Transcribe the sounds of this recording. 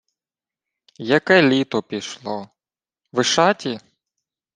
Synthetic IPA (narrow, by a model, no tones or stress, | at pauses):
jɐkɛlʲit̪ɔpʲiʃlˠɔ | ʋɪʃɑtʲi